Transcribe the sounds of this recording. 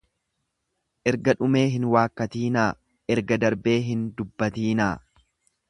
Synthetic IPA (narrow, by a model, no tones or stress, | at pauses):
ʔɛɾɡɐᶑʊme̞ːɦɪnwaːkːɐt̪iːnaː | ʔɛɾɡɐd̪ɐɾbe̞ːɦɪnd̪ʊbːɐt̪iːnaː